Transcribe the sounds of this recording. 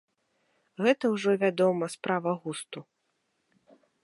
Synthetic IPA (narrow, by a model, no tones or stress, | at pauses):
ɣɛt̪ɐwʐɔvʲad̪ɔmɐspɾʔavɐɣust̪u